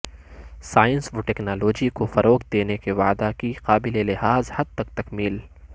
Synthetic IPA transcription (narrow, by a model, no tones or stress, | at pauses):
saːjə̃nsʋoʈɛːknaːloːd͡ʒikofɐɾoːkd̪eːnekeʋa̰ːd̪akiqaːbɪlelɪɦaːzhɐd̪̚t̪ɐk̚t̪ɐkmiːl